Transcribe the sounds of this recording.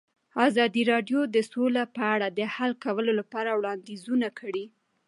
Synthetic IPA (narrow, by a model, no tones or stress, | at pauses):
ɑzɑd̪iɾɑɖjod̪əsolapəaɽad̪əhalkawəlolapɑɾawɽɑnd̪izunakʰəɽi